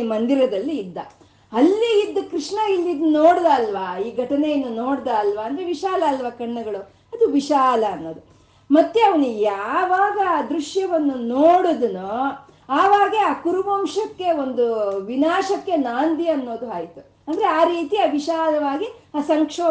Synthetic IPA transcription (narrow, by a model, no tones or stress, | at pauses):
mɐnd̪iɾɐd̪ɐlːiːd̪ːɐ | ɐlːiːd̪ːukɾiʂɳɐilːid̪unoːɽd̪aːlʋaːiːɡʱɐʈɐnejɐnːunoːɽd̪aːlʋaːnd̪ɾe̞ʋiʃaːlɐːlʋɐkɐɳːɐɡɐɭu | ɐd̪uʋiʃaːlɐːnːoːd̪u | mɐt̪ːeɐʋɐnujaːʋaːɡɐad̪ɾuʂjɐʋɐnːunoːɽud̪unu | aːʋaːɡeaːkuɾuʋɐmʂɐkːe̞o̞nd̪uʋinaːʃɐkːe̞naːnd̪iɐnːo̞ːd̪uɦaːjt̪u | ɐnd̪ɐɾeaːɾiːt̪iaːʋiʃaːlɐʋaːɡiaːsɐŋkʂoː